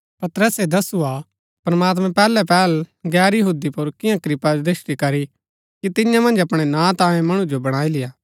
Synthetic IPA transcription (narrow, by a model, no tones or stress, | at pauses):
pɐt̪ɾəsed̪ɐsua | pɾɐmaːt̪̬mɛ̃pɛːlɛpɛːlɡɛːɾjɐɦuːd̪ipʊɾkɪjãkɾɪpad̪ɪʃʈ̪ikɐɾi | kit̪ɪ̃jãmɐ̃nd͡ʒɐpɽ̃enãːt̪ãːẽmɐɽ̃ũd͡ʒobɐɽ̃aːilɪjaː